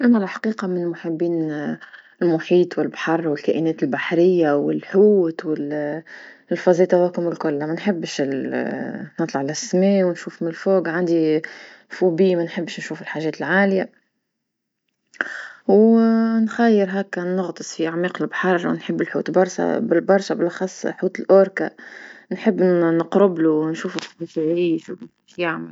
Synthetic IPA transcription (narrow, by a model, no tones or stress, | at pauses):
ʔæmːælħḁqiːqɑmɪnmʊħabːiːn | ɪlmʊħiːt̪ˤwɪlbħɑrˤːwɪlkæːʔɪnɛːt̪ɪlbaħɾɪjːawɪlħuːt̪wɪl | lfɑzˤiːt̪ɑwæːkʊmɪlkʊlːamænħɪbːʃɪ | nɨt̪ˤlɑʕlʔæsmɛːwnʃuːfmɪɪlfoːɡʕand̪i | fubiːmænħɪbːʃnʃuːfɪlħaːʒɛːt̪ɪlʕaːlɪja | wnxæjːəɾɦæːkːænʊɣt̪ˤɨsˤfiʔaʕmiːqɪlbħɑɾˤwnħɪbːɪlħṵːt̪bɑɾˤʃa̰bɪbɑɾˤʃabɪlʔɑxɑsˤːħuːt̪ɪlʔoːɾkanħɪbːnəqɾɪbluwnʃuːft̪bifiʕiːʃu | ʃjaʕmɪl